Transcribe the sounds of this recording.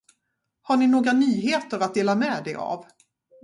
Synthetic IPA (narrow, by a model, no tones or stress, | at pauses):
haɳɪnoːɡɾanyːɦeːt̪əɾat̪̚d̪eːlamɛːd̪ɛa̰v